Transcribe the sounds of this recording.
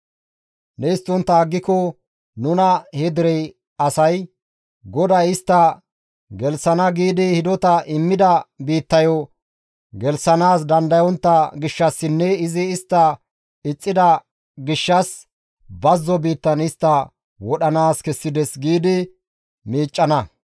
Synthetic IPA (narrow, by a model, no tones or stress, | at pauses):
nɛɪst̪ːɔnt̪ːɐːɡːɪkɔ | nʊnɐhɛd̪ɪɾɛj | ɐsɐj | ɡɔd̪ɐjɪst̪ːɐ | ɡɛlsɐnɐɡiːd̪ɪhɪd̪ɔt̪ɐʔɪmːɪd̪ɐbiːt̪ːɐjɔ | ɡɛlsɐnaːs̬d̪ɐnd̪ɐjɔnt̪ːɐɡɪʃːɐsːɪnːɛɪzɪːst̪ːɐ | ɪt͡sʼːɪd̪ɐ | ɡɪʃːɐs | bɐzːɔbiːt̪ːɐnɪst̪ːɐ | wɔɗɐnaːskɛsːɪd̪ɛsɡiːd̪ɪ | miːt͡ʃʼːɐnɐ